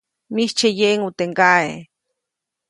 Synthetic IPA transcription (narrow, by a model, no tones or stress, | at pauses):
niht͡ʃejeʔŋut̪eŋɡae